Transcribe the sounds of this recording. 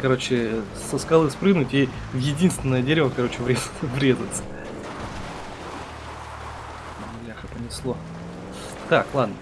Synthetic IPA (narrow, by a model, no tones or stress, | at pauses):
kɐɾo̞t͡ɕɪ | səskɐlˠɨspɾɨnʊtʲi | vjɪdʲinst̪ʲvʲɪnːəjədʲeɾʲɪvəkɐɾo̞t͡ɕɪvɾʲezvɾʲe̞zʊt̪sə̥ | nʲɪaxəpənʲɪslˠo | t̪aklˠad̪nə